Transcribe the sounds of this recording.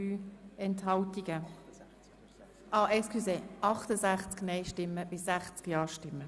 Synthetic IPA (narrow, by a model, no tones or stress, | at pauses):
yːɛnthɑltiɡ̥ə | ʔɑːʔɛskʰyseːʔɑχtəzæχt͡sknɛɪʃtɪmːəb̥ɪsːæχt͡skjɑːʃtɪmːə